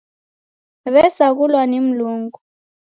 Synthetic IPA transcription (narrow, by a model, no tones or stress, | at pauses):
βɛsaɣulwanem̩luːŋɡu